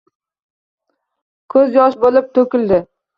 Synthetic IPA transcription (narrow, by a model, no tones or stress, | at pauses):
kʰɵzjɒʃbolɪp̚t̪ʰɵkʲɪld̪ɪ